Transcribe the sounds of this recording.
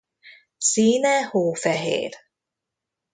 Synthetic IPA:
siːnɛhoːfɛɦḛːr

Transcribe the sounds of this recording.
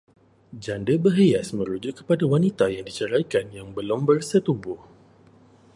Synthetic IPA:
d͡ʒandəbəɦejasmə̃ɾud͡ʒʊkkːə̥padawanit̪ajaŋdit͡ʃəɾajkanjaŋbəlʊmbərsət̪ubʊh

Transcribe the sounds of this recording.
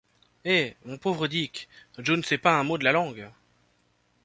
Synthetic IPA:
emɔ̃povʁəd̪ikʒonsɛpaɛ̃mod̪əlalɑ̃ɡ

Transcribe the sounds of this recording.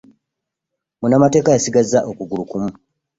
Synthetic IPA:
munamate̞ːkajasiɡazːaʔokuɡulukumu

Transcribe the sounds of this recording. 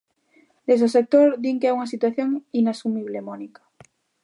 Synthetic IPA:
d̪ezðosek̚t̪oɾd̪iŋkeauŋɐs̬it̪waθjoŋinasumiβlemɔnikḁ

